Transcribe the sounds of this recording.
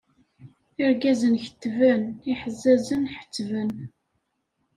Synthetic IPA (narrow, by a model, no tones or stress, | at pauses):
ɪɾɡæzənçə̥t̪ːvæniħəzːæzənħə̥t͡sːvən